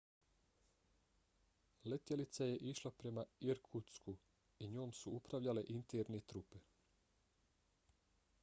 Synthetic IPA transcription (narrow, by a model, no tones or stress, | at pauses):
let̪jelit̪saje̞ʔiʃlˠapɾe̞maiɾkʰut̪sku | iɲo̞ːmsuupɾaʋʎale̞ʔint̪eɾnet̪ɾupe